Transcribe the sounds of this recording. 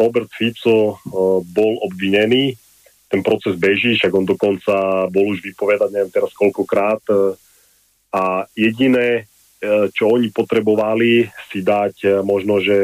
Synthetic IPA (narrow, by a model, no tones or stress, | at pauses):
ɾɔbɛɾt̪fipsɔ | bɔlɔbʋiɲɛniː | t̪ɛnpɾɔt͡sɛzbɛʒiːʃaɡɔnd̪ɔkɔnt͡sabɔluʒʋipɔʋɛd̪aɟɲɛʋjɛmt̪ɛɾaskɔlkɔkɾaːt̪ | ajɛɟinɛ | t͡ʃɔɔɲipɔt̪ɾɛbɔʋalisid̪acmɔʒnɔʒɛ